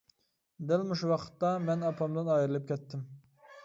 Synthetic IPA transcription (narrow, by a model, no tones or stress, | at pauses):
d̪ɪlmuʃuwɑqʰə̥t̪ːɑmɛnɑpʰɑmd̪ɨnɑjiɾɨlˠɨp̚kʲʰɛt̪ːɪm